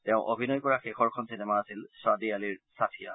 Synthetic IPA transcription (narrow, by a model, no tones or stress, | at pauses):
tɛʊ̃ʔobʱinɔjkɔɹaxekʰɔɹkʰɔnsinɛmaːsilswadialiɹsatʰija̰